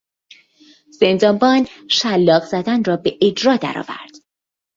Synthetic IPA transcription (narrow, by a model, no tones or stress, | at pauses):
z̥end̪ɒːmbɒːnʃælːɒːɣzæd̪ænrɒːbe̞ʔed͡ʒɾɒːd̪æ̰ɾɒ̰ːvæ̰ɾd̪̥